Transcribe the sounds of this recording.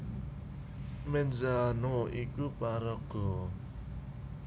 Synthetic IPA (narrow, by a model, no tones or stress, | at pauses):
mɛnzanoikupaɾɔɡ̥o